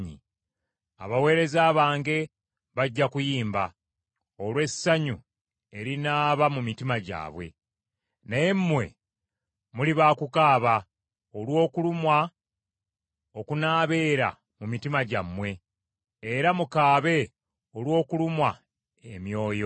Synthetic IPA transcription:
ɲḭ | a̰βawe̞ːɾe̞zaːβaːŋɡe̞ | βaɟːakujiːmba | o̞lwe̞saɲu | e̞ɾinaːβamumitimaɟa̰ːβwe̞̰ | neemːwe̞̰ | muliβaːkukaːβa | olwo̞ːkulumwa | o̞kunaːβe̞ːɾa̰ | mumitimaɟamːwe̞ː | ɾamukaːβe̞ | olwo̞ːkulumwa | emjo̞ːjo̞

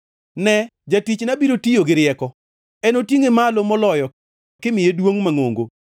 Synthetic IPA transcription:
nɛd͡ʒatit͡ʃnabiɾotijoɡɪɾɪɛkɔ | ɛnotiŋemalomɔlɔjɔ | kɪmɪjedwoŋmaŋoŋɡo

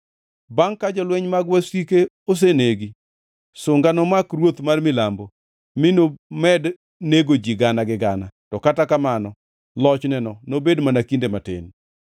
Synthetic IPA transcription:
baŋkad͡ʒɔlwɛɲmaɡwasike | os̬eneɡi | sʊŋɡanɔmakrwot̪marmɪlambo | mɪnomɛd | neɡod͡ʒiɡanaɡɪɡanatɔkatakamanɔ | lɔt͡ʃnɛnɔnobedmanakindematḛn

